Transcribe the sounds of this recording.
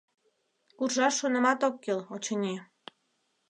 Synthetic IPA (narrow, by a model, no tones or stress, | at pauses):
kurʒɑʃːonə̆mɑt̪okːelot͡ɕɤnʲi